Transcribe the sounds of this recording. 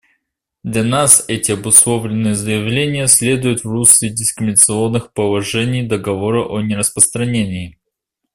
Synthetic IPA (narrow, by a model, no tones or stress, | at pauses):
d̪lʲɐnasɛtʲɪɐbʊslˠo̞vlʲɪnːɨjəzəjɪvlʲenʲɪjəsʲlʲe̞d̪ʊjʊt̪vrusʲɪdʲɪskɾʲɪmʲɪnət̪sɨo̞nːɨxpəlˠɐʐɛnʲɪjd̪əɡɐvoɾəʔonʲɪɾəspɾəst̪ɾɐnʲenʲɪː